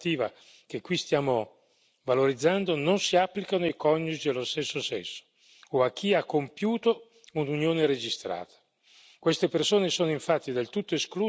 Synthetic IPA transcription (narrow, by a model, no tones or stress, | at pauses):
t̪iːva̰ | k̟ekːwist̪jaːmo | valoɾid̪zːand̪ononsiapːlikanoikɔnːut͡ʃid̪elːost̪esːosɛnsːo̥ː | ak̟ːiakːompjuːt̪o | ununjoːneɾed͡ʒist̪ɾa̰ːt̪ʰḁ | kwest̪epersoːnesoːnoiɱfat̪ːid̪elt̪ut̪ːoeskluː